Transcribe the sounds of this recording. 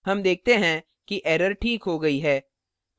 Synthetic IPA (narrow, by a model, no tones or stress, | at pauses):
ɦɐmd̪eːk̚ʰt̪eɦɛ̃ | kiʔɛːɾəɾʈʰiːkɦoɡɐiɦɛː